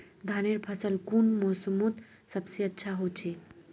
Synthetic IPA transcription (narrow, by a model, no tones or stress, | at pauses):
d̪ʱaneɾpʰəsəlkunmoːsəmot̪ | səbseətːʃʰaɦot͡ʃʰi